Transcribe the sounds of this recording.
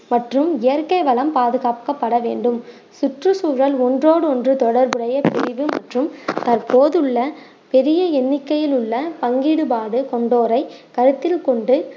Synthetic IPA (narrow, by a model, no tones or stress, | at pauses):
mɐʈrɯmɪjɐɾkɐɪʋɐlɐmpaːðɯɣaːpkɐpːɐɽɐʋeːɳɖɯm | sʊʈrɯsuːɾɐlɔndroːɽɯɔndrɯt̪ɔɽɐɾbɯɽɐjɐpɪɾɪʋɯmɐ̰ʈrɯmt̪ɐrpoːðɯɭːɐ | pɛɾɪjɐɛnːɪkːɐjɪlʊɭːɐpɐŋɡiːɽɯpaːɽɯkɔɳɖoːɾɐɪkɐɾɯt̪ːɪlkɔɳɖɯ